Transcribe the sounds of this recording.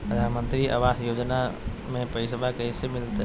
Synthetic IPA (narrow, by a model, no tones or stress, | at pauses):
pɐd̪ʱaːnmə̃nt̪ɾiʔɐ̰ʋaːsjoːd͡ʒnamẽpɐisbakɐisemɪlt̪